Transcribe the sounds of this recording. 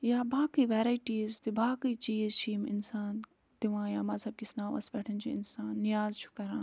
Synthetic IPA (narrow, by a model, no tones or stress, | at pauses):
jaːbaːkəiʋɛːɾaiʈiːzt̪ibaːkəit͡ʃiːzt͡ʃʰiːmɪ̰nsaːn | t̪iʋãːjaːmɐzɐb̚kisnãːʋɐ̰sbɛːʈʰənt͡ʃʰiɪ̰nsaːnːɪjaːzt͡ʃʰu̥kɐɾãː